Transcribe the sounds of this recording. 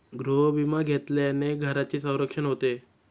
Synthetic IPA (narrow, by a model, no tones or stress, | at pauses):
ɡɾoɦbimaɡʱet̪laneɡʱəɾat͡ɕesə̃w̃ɾəkʂənɦot̪e